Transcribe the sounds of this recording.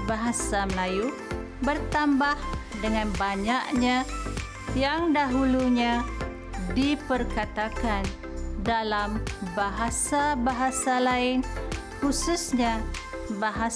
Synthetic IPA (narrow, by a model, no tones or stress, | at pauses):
baɦasaməlaju | bərt̪ambahdəŋanbaɲaʔɲa | jaŋdaɦuluɲa | dipərkat̪akan | dalambaɦasabaɦasalaɪn | hususɲabaɦa